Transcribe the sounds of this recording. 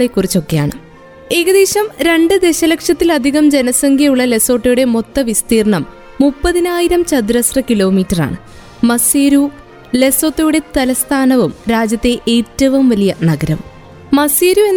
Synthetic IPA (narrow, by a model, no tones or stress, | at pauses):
ekːurit͡ɕːo̞kːe̞ja̰ːɳɨ | e̞ːɣɐðeːɕɐmɾe̞ɳɖɨd̪e̞ɕɐlɐkʂjɐt̪ːilɐd̪ʱiɣɐmd͡ʑenɐsɐŋɡʱjɐjuɭːɐle̞so̞ːʈːɐjuɽe̞mo̞t̪ːɐʋist̪iːrɳɐmː | upːɐðinaːjiɾɐmt͡ɕɐd̪ɾɐsrɐkilo̞ːmiːtːɐra̰ːɳɨː | ɐseːɾu | le̞so̞ːt̪ːɐjuɽe̞t̪ɐlɐst̪ʰaːnɐʋumɾaːd͡ʑjɐt̪ːe̞ʔeːtːɐʋɐmʋɐlijɐnɐɡɐɾɐm | mɐseːɾuenː